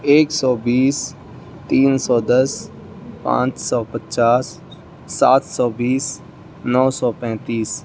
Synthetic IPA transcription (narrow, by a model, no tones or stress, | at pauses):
eːksɔːbiːs | t̪iːnsɔːd̪əs | pã̰ːt͡ʃsɔːpətt͡ʃaːsː | aːt̪ʰsɔːbiːs | nɔːsɔːpɛ̃ːt̪iːs